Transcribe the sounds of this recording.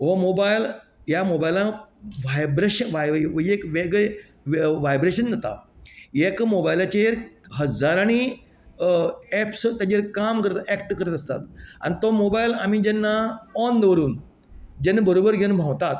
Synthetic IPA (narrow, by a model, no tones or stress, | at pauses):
ɦomobajljamobajlãʋajbɾeɕəʋajekʋeɡɭe | ʋʋajbɾeɕəndat̪a̰ekmobajlat͡ɕeɾɦəd͡zaɾañi | ɛpst̪ad͡ʑeɾkamkəɾt̪aɛkʈkəɾət̪əst̪a̰t̪a̰ñit̪omobajlamid͡ʑɛnːaɔnd̪ʋəɾuːn | d͡ʑɛnːabəɾobəɾɡʱeunbʱãwt̪at̪